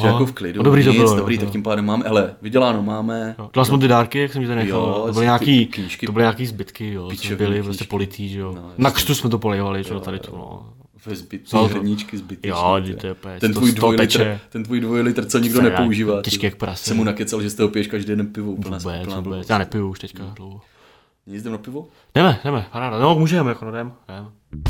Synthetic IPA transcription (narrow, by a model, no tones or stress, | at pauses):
jakofklɪddobɾiːt̪obɪlodobɾiːt̪akkcɪmpaːdɛmːaːmɛʔalɛvɪɟɛlaːnomaːmɛjodɛlalsɛmot̪̬ɪdaːɾkɪjaksɛmɲɛt̪aɾnɛxaobɪlɪɲaːkiːkɲiːʃkɪobɪlɪɲaːkiːzbɪt̪kɪjosmɛbɪlɪpɾoscɛpolɪt̪iːʒɛjonakr̥t̪usmɛt̪opolɛjvalɪʒɛt̪adɪt̪obɪlo̰ | vɛzbɪt̪noɲɪt͡ʃkɪzɪt̪jjoɪt̪ɛɛpɛt̪ɛnt̪vuːjd̪ojlɛɪt͡ʃɛt̪ɛnt̪vuːjdvojlɪt̪r̩t͡soɲɪɡdonɛouʒiːvaːɛt͡ʃkɪak̚pɾassɛmːunakɛt͡salʒɛst̪oɦopɪjɛʃkaʒdɛjɛdɛnpɪvovubɛt͡svubɛt͡sjaːnɛpɪjuuʃt̪ɛckadlowɦo | ɲɛzd̪ɛmnapɪvo | d̥ɛmɛdɛmɛpaɾaːdanokmuʒɛmjakonadɛmdɛm